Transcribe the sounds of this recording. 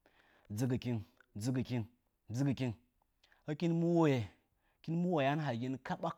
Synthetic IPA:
d͡zɨ˨˦k̬ɨ˨kʲi˧ŋ˨d͡zɨ˧kɨ˨kʲi˦ŋ˨ | d͡zɨ˦ki˨kʲi˦ŋ | ɐ˦kʲi˦nmu˦wo˦je˨ | kʲi˦nmu˦wo˨ja˦nɦa˨ji˦nka˦ɓa˦k

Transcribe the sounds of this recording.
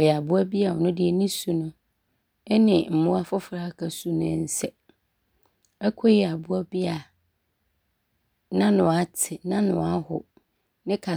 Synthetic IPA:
jɛ˨a˨bʊ˦a˦bi˦a˨ɔ˨nʊ̃˦dɪ˨ɛ˨nĩ˦su˨nʊ̃˦ | ɛ˦nɪ̃˨m̩˨mʊ̃˦a˦fɔ˦fɾa˦˨kʰa˨su˦nʊ̃˦˨˦sɛ˦ | ɛ˦kʰɔ˦jɛ˨a˨bʊ˦a˦bi˦a˨ | nã˦nʊ̃˨a˦tʰɪ˨nã˦nʊ̰̃˨a˦ɦʊ˨ | nɪ̃˦kʰa˨

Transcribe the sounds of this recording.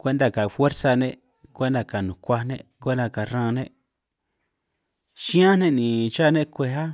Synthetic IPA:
kʷe˦nd̪a˧ka˨fwe˦ɾsa˧nẽ˦ | kʷe˦nd̪a˧ka˨nũ˨kʷa˦nḛ̃˦kʷe˦nd̪ã˧ka˨rã˦˧nẽ˦ʔ | ʃĩ˦ã˦nẽ˦nĩ˨t͡ʃa˦˨nẽ˦kʷe˧a˦

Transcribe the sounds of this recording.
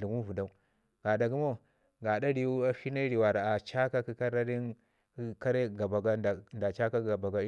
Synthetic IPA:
u˨ɡu˦vu˨da˨u˦ | ɡ̥a˨da˨ɡu˦mo˦˨ | ɡa˨da˦ɾi˨u˦a˦fi˦na˦ɾi˨wa˨ɾa˨a˨t͡ʃa˦ka˦ki˦ka˦ɾa˦ɾi˦n˦ | ka˦ɾe˦ɡa˨ba˨ɡa˦˨nda˨t͡ʃa˦ka˦ɡa˨ba˨ɡa˦i˦

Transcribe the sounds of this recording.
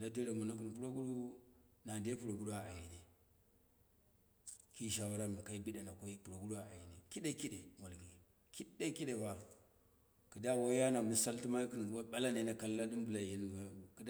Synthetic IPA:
la˦de˦ɾe˨mo˨no˦k̬i˨n˨pu˦ɾo˦ɡu˦ɗu˦na˨de˦pu˨ɾo˨ɡu˦du˦a˨a˨ji˨ne˨ | ki˦˨ʃa˨wa˦ɾa˦mi˨ka˨i˦bi˦da˨na˨ko˦i˦pu˨ɾo˨ɡu˦ɾu˦a˦˨a̰˨ji˨ne˨ki˦ɗe˦ki˦de˨mo˨lɡi˨ | ki˦de˦ki˦ɗe˨ba˦˨ | kə˨da˦˨wo˦ja˦na˨mi˦sa˦lti˦ma˦ki˦n˨˦ɓa˦la˦ne˨˦na˨ka˨lːa˦di˦m˦bu˨la˨ji˦n˨a˨ki˦d

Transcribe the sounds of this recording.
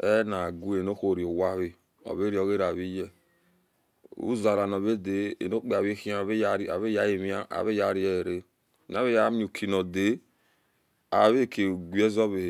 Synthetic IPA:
e˦na˨ɡu˦e˨no˦ho˦˨ɾi˨o˨wa˦βi˦ | o̰˨βe˦ɾi˦˨o˨ɣe˦ɾa˨βi˦je˦ | ṵ˦za˨ɾa˨no˨βe˦de˨ḛ˨no˦k͡pe˨a˨βi˦hi˦a˨βe˦a˦ɾa˨βe˦ja˦je˨mi˦a˦a̰˨βe˦ja˦ɾi˦e˦˨ɾe˦˨ | n˨a˦βe˦ja˦m˦u˨kʰi˨no˨de˨˦ | a˨βe˦˨kʰe˨ɡʷi˦e˦zo˦βe˨h

